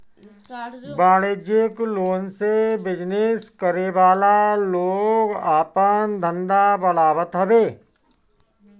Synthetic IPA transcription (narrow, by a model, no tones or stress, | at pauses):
baːɽeːd͡ʒɪkloːnsebɪd͡ʒnɪskəɾeʋaːlaloːɡaːpənd̪ʱə̃nd̪abəɽaːʋət̪ɦəbeː